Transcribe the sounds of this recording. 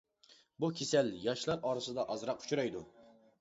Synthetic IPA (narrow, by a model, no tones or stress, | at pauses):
bukʲʰesɛljɑʃlˠɑɾɑɾɨsɨd̪ɑʔɑzɾɑqu̥t͡ʃʰuɾɑjd̪ṵ